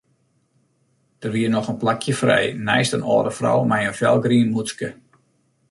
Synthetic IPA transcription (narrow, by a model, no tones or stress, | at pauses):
d̥ərʋiərnɔxənplakʰjəfrɛ̰jnɛ̰jstənɔ̰ːdəfrɔ̰wmɛjənfjɛ̰lˠɡriənmuskə